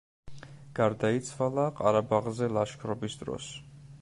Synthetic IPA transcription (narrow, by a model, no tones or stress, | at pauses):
ɡ̥aɾd̪ait̪sʰwalˠaqʼaɾabaʁzɛlˠaʃkʰɾɔbisd̪ɾɔ̰s